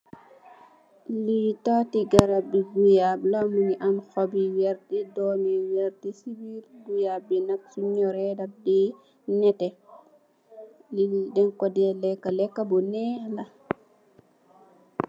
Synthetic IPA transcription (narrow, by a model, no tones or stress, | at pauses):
litatiɡaɾabiɡujablamuniʔamxɔbiwɛɾtidɔmiwɛɾtisibiɾɡujabːinak̚suɲːɔɾɛdap̚di | nɛtɛ | lilidɛŋkɔdɛlɛkːalɛkːabɔnɛla